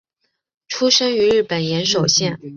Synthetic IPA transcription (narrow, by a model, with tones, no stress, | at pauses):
ʈ͡ʂʰu˥ʂə˥ŋy˧˥ɻɻ̩˥˩pə˨˩njɛ˧˥nʂo˨˩ʊɕjɛ˥˩n